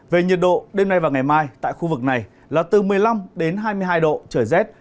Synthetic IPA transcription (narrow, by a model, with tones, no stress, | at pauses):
ve˨˩ɲi˨˩t̚ɗo̰˧˨ɗe˧mna˧jvaː˨˩wŋa˨˩jmaː˧jt̪a̰ː˧˨jxu˧vɨ˨˩k̚na˨˩j | laː˨˩t̪ɨ˨˩mɨ˨˩əjla˧mɗe˨˦nɦaː˧jmɨ˧əjɦaː˧jɗo̰˧˨t͡ɕəː˧˩jzɛ˦˥t̚